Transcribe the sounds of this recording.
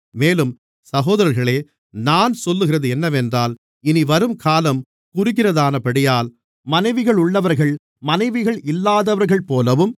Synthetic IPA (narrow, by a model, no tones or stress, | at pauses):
meːlɯm | sɐɣoːðɐɾɐɾɣɐɭeː | naːnsɔlːɯɣɪrɐðɯɛnːɐʋɛndraːl | ɪniʋɐɾɯmkʰaːlɐm | kʊɾɪɣɪrɐðaːnɐpɐɽɪjaːl | mɐnɐɪʋɪɣɐɭʊɭːɐʋɐɾɣɐɭ | mɐnɐɪʋɪɣɐɭɪlːaːðɐʋɐɾɣɐɭpoːlɐʋɯm